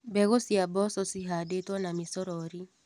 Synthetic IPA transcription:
bɛɣosiabɔsɔsiɦadetwɔnamisɔɾɔɾi

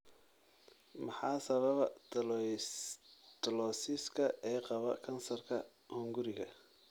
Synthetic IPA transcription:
mɑħɑːsɐβɐβɐt̪ | t̪ɐlɔːsɪskʰɐɛːqɑβɐkʰɐnsɐrkʰɐ | hʊŋɡʊɾɪɣɐ

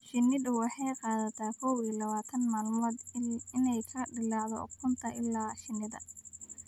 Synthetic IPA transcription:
ʃɪnɪd̪ʊwɑħɑjqɑːðɐt̪ʰaːkʰɔwilɐβaːt̪ʰɐnmaːlmɔːd̪ɪnɛjkʰɐɖɪlɑʕðɔ̰kʰʊnt̪ʰɐʔɪlːaːʃɪnːɪðɐ̰

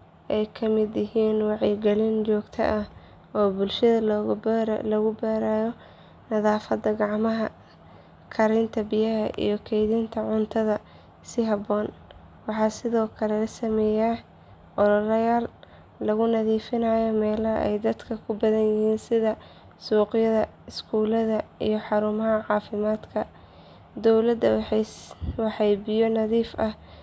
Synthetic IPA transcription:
ʔɛjkʰɐmɪd̪jɪɦiːnwɑʕjɡɛlɪnt͡ʃɔːɡt̪ʰɐ̰ʔɐh | ɔːbʊlʃɐðɐ | lɐɣʊbɛːɾaːjɔ | nɐðaːfɐd̪ɐɡɑʕmɐɦɐ | kʰɐɾɪnt̪ʰɐbɪjɐɦɐʔḭjɞkʰɛjðint̪ʰɐʕʊnt̪ʰɐðɐ | sɪɦɑbɔːn | wɑħɑːsɪðɔːkʰɐlɛlɐsɐmɛːjaː | ʔɔɾɔɾɐjaːlː | ɐɣʊnɐðiːfɪnaːjɔmɛːlɐɛ̰jd̪ɐd̪kʰɐkʰʊbɐðɐnjɪhiːnsɪðɐ | suːqjɐðɐ | ɪskʰuːlɐðɐḭjɞħɑɾuːmɐɦɐʕɑːfɪmaːd̪kʰɐ | d̪ɔwlɐd̪ | wɑħɑjbɪjɔnɐðiːfɐh

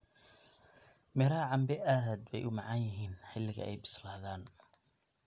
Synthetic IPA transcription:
mɪɾaʕɑmbɛʔad̪wɛ̰jʔʊmɑʕanjɪɦiːnħɪlːɪɣɐ̰ʔɛ̰jbɪ̥slaːðaːn

